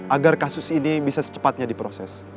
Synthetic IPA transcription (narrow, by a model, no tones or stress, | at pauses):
ʔaɡarkasʊsinibisasə̥t͡ʃə̥pat̪̚ɲadipɾosɛs